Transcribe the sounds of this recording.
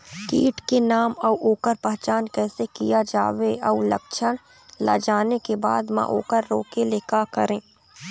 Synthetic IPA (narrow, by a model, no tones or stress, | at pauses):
kḭːʈkenaːmɔwʔoːkəɾpɛɦt͡ʃaːnkɛːsekijad͡ʒa̰ːʋeɔːlə̰kʃəɽ̃ | la̰d͡ʒaːnekeba̰ːd̪mã̰ʔo̰ːkəɾːoːkeleːkakəɾẽː